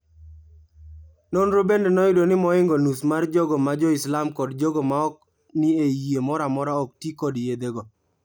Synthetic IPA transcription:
nonɾobendɛnɔɪdonɪmɔɪŋɡɔnusmard͡ʒɔɡɔmad͡ʒɔɪslamkɔdd͡ʒɔɡɔmaɔk̚ | nɪejemɔɾamɔɾaɔk̚tikɔdjed̪eɡɔ

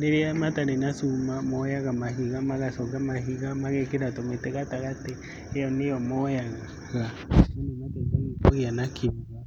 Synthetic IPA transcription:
ɾeɾeamataɾenasumamɔjaɣamaɦiɣamaɣasɔkamaɦiɣamaɣekeɾatometeɣataɣateː | jɔnejɔmɔjaɣa | ɣa | inimatetaɣipoɣeanakʰiβa

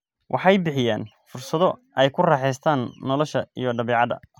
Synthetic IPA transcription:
wʔɑ̰ħɑjbɪħɪja̰ːn | fʊrsɐðɔʔɛjkʰʊraːħɛjst̪ʰaːnːɔlɔʃɐijɔɖɐβɛːʕɑðɐ̰

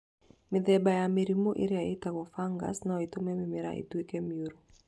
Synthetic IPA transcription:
mɪd̪ɛbajamiɾimoʔḭɾɪaitaɡɔfaŋɡa̰snaitomɛmɪmɪɾa̰ʔḭtwekemioɾo

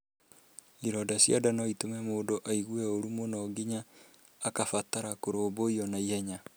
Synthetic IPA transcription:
iɾɔdasja̰danɔitomɛmoːdoʔaiɣwɛoɾumonaːɡiɲaː | kafataɾakoɾoːboiɔnaiɛɲa

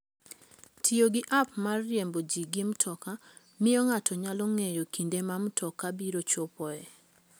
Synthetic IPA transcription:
tʰioɡɪʔapmarːjembod͡ʒiɡimtʰɔka | mɪjɔŋatɔɲalɔŋejokindemamtʰɔkabiɾot͡ʃopɔɛ

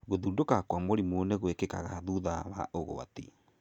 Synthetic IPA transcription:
ɣoðudokakwamoɾimoneɣwekeka̰ɣaðuðaβa̰ʔoɣo̰a̰tḭ

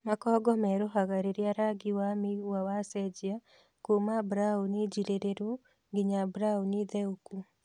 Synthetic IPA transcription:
makɔːɡɔmɛɾoɦaɣaɾeɾeaɾaɡiwamiwawasɛd͡ʒia | komabɾaoned͡ʒiɾeɾeɾo | ŋɡiɲabɾaoniðɛoku

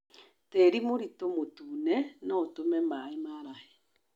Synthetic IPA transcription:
teɾimoɾitomotuːnɛnaotomɛmaemaɾahe

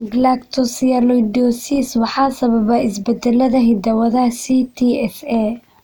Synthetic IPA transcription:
ɡlakt̪ʰɔsiɐlɔjɖɔsiswɑħɑːsɐβɐβɐɪsbɛd̪ɛlːɐðɐɦɪd̪ɐwɐðɐsit̪ʰiːɛsɛ

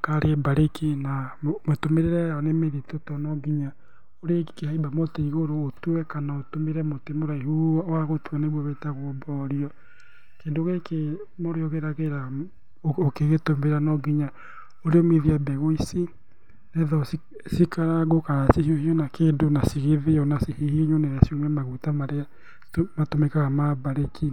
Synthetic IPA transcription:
kaɾebaɾekʰenammotomeɾeɾɛjɔnemeðitotɔnɔɡiɲa | oɾekehaibamoteiɣoɾoːtuwɛkanaotomeɾɛmotemoɾaiɦuawaɣotuaneβwɔβɛtaɣwɔbɔɾiɔ | keːndoɣeke | moɾeɔɣeɾaɣeɾa | okeɣetombeɾanɔɡiɲa | oɾeɔmeðiabɛɣoisi | nɛðɔs | sikaɾaɣokaɾasihiohiɔnakeːndonasiɣeðeɔnasehihiɲonɛɾasioŋɛmaɣutamaɾea | tomatomɛkaɣamabaɾekʰi

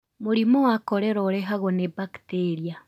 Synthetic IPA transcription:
moɾimowakɔɾɛɾɔɾɛɦaɣɔnebakteɾia

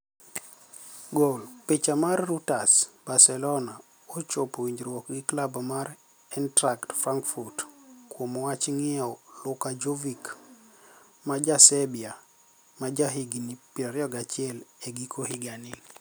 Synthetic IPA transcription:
ɡolpet͡ʃamarːutasb̥arsɛlɔna | ɔt͡ʃopowiɲd͡ʒɾwɔkɡɪklabamaɾ | ɛntɾaktfɾaŋkfurtkwomɔwat͡ʃŋiɛɔlʊkad͡ʒovik | mad͡ʒasɛbia | mad͡ʒaɦiɡinipiɔɾjɔɡat͡ʃiɛleɡikʰohiɡani

